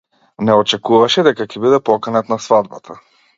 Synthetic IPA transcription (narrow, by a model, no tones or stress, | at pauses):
nɛɔt͡ʃɛkuvaʃɛd̪ɛkakɛbid̪ɛpɔkanat̪nasvad̪̚bat̪ʰa